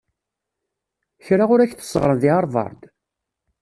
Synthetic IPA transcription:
çɾaʁʊɾæçθə̥sʁɾˤənðiɑɾˤvɑ̰ɾˤd̪

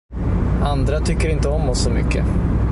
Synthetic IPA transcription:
ʔand̪ɾat̪ʰʏkːəɾɪnt̪əɔmːɔsːɔmʏ̰kːə̰

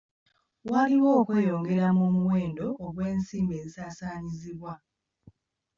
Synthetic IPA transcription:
waliwo̞ːkwe̞ːjo̞ːŋɡe̞ɾamomuwe̞ːndo̞ʔːɣwe̞ːnsiːmbe̞ːzisaːsaːɲiziβwa

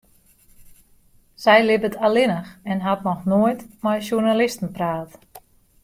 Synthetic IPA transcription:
sɛjlɪbətʰalɪnəxɛnɦatnɔxnoəjtmɔjʃuɹnalɪstən̩praːt

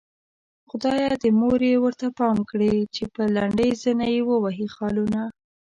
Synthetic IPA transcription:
xʊd̪ɑjad̪əmoɾewəɾt̪apɑmkɽit͡ʃepəlaɳɖəjzənajewəwaɦixɑluna

